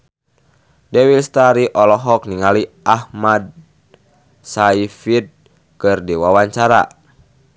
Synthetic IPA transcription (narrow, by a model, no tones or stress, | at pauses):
dɛwilst̪aɾiʔɔlɔɦɔk̚niŋaliʔahmad̚ | saifid̪̚ | kɨrdiwawaɲt͡ʃaɾa̰